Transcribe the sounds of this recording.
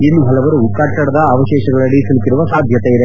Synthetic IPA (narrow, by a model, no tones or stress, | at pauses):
inːuɦɐlɐʋɐɾukːaːʈt͡ʃːɐɽɐd̪ɐːʋɐɕeːɕɐɡɐɭɐɽisilkːiɾuʋɐsaːd̪ʱjɐt̪ejiɾe